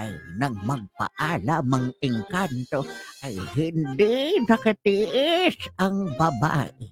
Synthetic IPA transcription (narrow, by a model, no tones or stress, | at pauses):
ʔa̰jnaŋmaɡpa̰ʔalamaŋʔɪŋkant̪oʔajhɪnd̪ɪnakat̪ɪʔɪsaŋbaba̰ʔɪ